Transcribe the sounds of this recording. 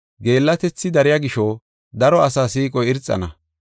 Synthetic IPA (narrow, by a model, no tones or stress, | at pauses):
ɡe̞ːlːɐt̪ɛt͡sːɪd̪ɐɾɪjɐɡɪʃɔ | d̪ɐɾɔɐsaːsiːkʼɔjɪɾt͡sʼːɐ̰nɐ